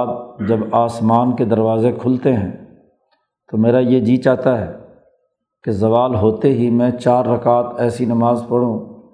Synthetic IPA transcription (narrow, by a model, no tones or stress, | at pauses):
t̪̚d͡ʒɐbaːsmaːnked̪ɐɾʋaːzekʰʊlt̪eɦɛ̃ː | t̪omeːɾajed͡ʒiːt͡ʃaːt̪aɦɛː | kezɐʋaːlɦoːt̪eɦimɛ̃t͡ʃaːɾːɐkaːt̪ɛːsinɐmaːzpɐɽ̤ũː